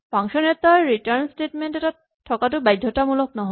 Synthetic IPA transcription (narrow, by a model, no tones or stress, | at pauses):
paŋsɔnɛt̪aɹɹitaɹnstetmentɛta | tʰːɔkatʊbajdʱɔtamulɔk̚nɔɦɔ